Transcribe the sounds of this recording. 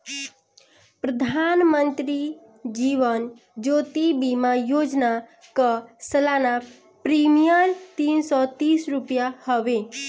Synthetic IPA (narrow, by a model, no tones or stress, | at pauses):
pɾəd̪ʱanmənt̪ɾi | d͡ʒiʋən | d͡ʒot̪ibimajod͡ʒna | kʌsəlana | pɾimijəɾt̪insɔt̪isɾupjahəbe